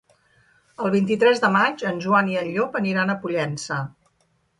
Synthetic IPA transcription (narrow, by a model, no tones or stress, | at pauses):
əlˠβ̞int̪̬it̪ɾɛzðəmad͡ʒənʲʒuaniəʎʎopəniɾanəpuʎɛnsə